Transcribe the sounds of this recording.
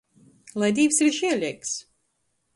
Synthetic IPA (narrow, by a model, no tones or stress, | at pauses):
lˠajd̪ʲiːvsiɾʃiɛlʲiɛks